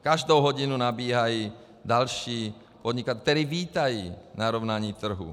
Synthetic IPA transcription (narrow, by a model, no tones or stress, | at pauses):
kaʒd̪oɦɔɟinunabiːɦaji | d̪alʃiː | pɔd̪ɲikat̪ɛɾiʋiːt̪ajinaɾɔʊnaɲiːt̪r̩ɦṵ